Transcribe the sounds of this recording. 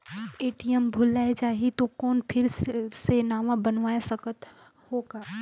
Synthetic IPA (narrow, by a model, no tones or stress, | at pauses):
eːʈijəmbʱulaed͡ʒaːɦit̪okɔːnpʰɪɾsenaːʋãbənʋaːesəkət̪ | hoːɡaː